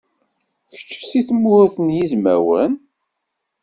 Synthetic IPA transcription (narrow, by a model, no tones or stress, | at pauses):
çə̥t͡ʃːsiθəmːʊθənjizmæ̰wən